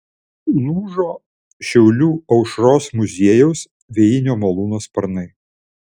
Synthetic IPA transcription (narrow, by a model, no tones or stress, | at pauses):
nuːʒoː | ʃʲɛʊlʲuːɐʊʃɾoːsmʊzʲiɛjɛʊs | ʋʲɛjɪnʲoːmɐlˠuːnoːspɐɾnɐɪ